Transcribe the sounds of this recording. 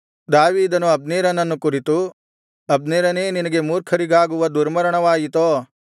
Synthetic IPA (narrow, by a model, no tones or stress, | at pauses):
d̪aːʋiːd̪ɐnuɐbneːɾɐnɐnːukuɾit̪u | ɐbneːɾɐneːninɐɡe̞muːɾkʰɐɾiɡaːɡuʋɐd̪uɾmɐɾɐɳɐʋaːjit̪oː